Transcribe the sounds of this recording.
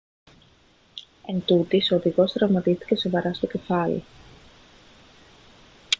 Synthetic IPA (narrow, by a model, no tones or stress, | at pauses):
e̞nt̪ut̪isoðiɣo̞st̪ɾɐvmɐt̪ist̪i̥ce̞so̞vɐɾɐst̪oce̞fɐlḭ